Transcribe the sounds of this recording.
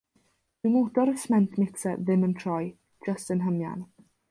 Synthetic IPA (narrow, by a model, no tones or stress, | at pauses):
d̥ɨmodɔɾəsmɛntʰmɪksɛðɪməntʰrɔj | d͡ʒəstənɦəmja̰n